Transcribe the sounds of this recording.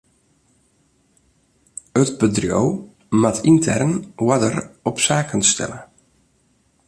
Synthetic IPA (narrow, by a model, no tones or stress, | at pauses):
ətbədrjo̰w | matʰintʰɛ̰rnwadərɔpsaːkənstɛ̰lə